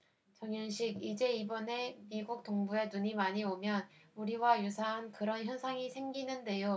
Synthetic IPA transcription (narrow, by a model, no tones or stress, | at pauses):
t͡ɕʌŋjʌnɕʰiɡid͡ʑe̞ibʌne̞miɡuk̚t͈oŋbue̞nuɲimaɲiomjʌnuɾiwajusʰaɦankɯɾʌnçjʌnsʰaŋisʰe̞mɡinɯnde̞jo